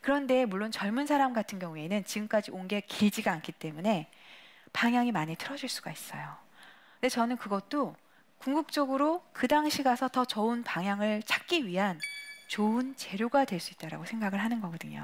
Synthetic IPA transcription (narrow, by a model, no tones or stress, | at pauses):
kɯɾʌnde̞muɭːont͡ɕʌɭmunsʰaɾamɡatʰɯnɡjʌŋue̞nɯnt͡ɕiɡɯmk͈ad͡ʑioŋɡe̞kiɭd͡ʑiɡaːnk͈ʰit͈e̞mune̞ | paŋɦjaŋimaɲitʰɯɾʌd͡ʑiɭs͈uɡais͈ʌjo | nde̞t͡ɕʌnɯnkɯɡʌt̚t͈o | kuŋɡuk̚t͡ɕ͈ʌɡɯɾokɯdaŋɕʰiɡasʰʌtʌt͡ɕʌɯnpaŋɦjaŋɯɭt͡ɕʰḁk̚k͈iɥiɦant͡ɕoɯnt͡ɕe̞ɾjoɡadwe̞ɭs͈uit̚t͈aɾa̰ɡosʰeŋɡaɡɯɭɦanɯnɡʌɡʌdɯɲo̰